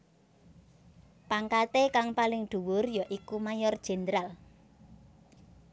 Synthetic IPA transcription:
paŋkat̪ekaŋpalɪŋɖ̪̥ṳwʊrjɔʔikumajɔrd̥ʒ̥ɛ̤nd̪əɾal

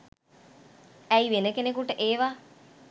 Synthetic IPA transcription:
æiʋenəkenekuʈəʔeːʋa

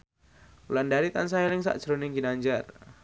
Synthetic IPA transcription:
ulandaɾit̪ans̬ajɛlɪŋsa̰ʔd̥ʒ̥ɾonɪŋɡinaɲd͡ʒar

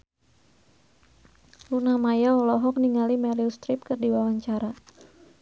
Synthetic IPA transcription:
lunamajaɔlɔɦɔk̚niŋalimɛliust̪ɾɪp̚kərdiwawaɲt͡ʃaɾa

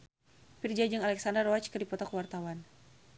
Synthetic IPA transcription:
pird͡ʒad͡ʒɨŋalɛksandərɔwat͡ʃkɨrdipɔt̪akəwart̪awan

